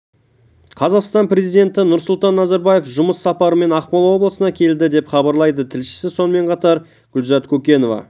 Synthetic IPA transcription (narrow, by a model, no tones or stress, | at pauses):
qʰɑzɑqst̪ɑnpre̞zijd̪e̞nt̪ɪnʊɾsʊlˠt̪ɑnːɑzɑɾbɑje̞fʒʊməsːɑpɑɾəme̞nɑqpɑlˠwo̞blˠəsənɑkʲʰe̞ld̪ɪd̪e̞pχɑbɑɾlˠɑjd̪ət̪ʰɪlʃɪ̥sɪso̞nəme̞ɴqʰɑt̪ɑɾ | ɡ̥ʲʊlzɑt̪kʲʰɵkʲe̞no̞vɑ̰